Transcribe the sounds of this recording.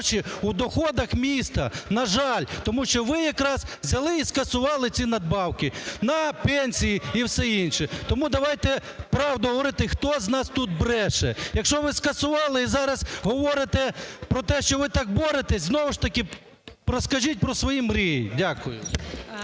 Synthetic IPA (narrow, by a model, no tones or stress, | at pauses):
t͡ʃiud̪ɔxɔd̪ɐxmʲist̪ɐnɐʒɑlʲt̪ɔmuʃt͡ʃɔʋɪjɐkɾɑzzʲɐlˠɪiskɐsʊʋɑlˠɪt͡sʲinɐd̪̚bɑwkɪnɐpɛnʲsʲijiiwsɛinʃɛt̪ɔmud̪ɐʋɑjt̪ɛpɾɑwd̪ʊɦɔʋɔɾɪt̪ɪxt̪ɔznɑst̪ut̪̚bɾɛʃɛjɐkʃɔʋɪskɐsʊʋɑlˠɪizɑɾɐzɦɔʋɔɾɪt̪ɛpɾɔt̪ɛʃt͡ʃɔʋɪt̪ɑk̚bɔɾet̪ɛsʲznɔʋʊʃt̪ɐkɪ | ɾɔskɐʒit̚ʲpɾɔsʋɔjimɾʲijidʲakʊjʊ̰